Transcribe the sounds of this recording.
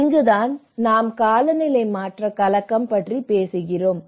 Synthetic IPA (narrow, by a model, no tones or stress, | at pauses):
ɪŋɡɯðaːn | naːmkaːlɐnɪlɐɪmaːʈrɐkɐlɐkːɐmpɐʈripeːsɯɣɪroːm